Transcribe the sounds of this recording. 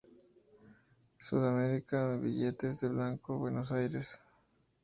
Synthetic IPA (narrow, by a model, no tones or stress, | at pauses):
suðameɾikaβḭʎet̪ezðeβlaŋkoβwenosajɾes